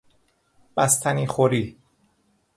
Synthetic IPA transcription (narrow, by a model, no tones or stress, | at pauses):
b̥æst̪ʰæniːxoɾiː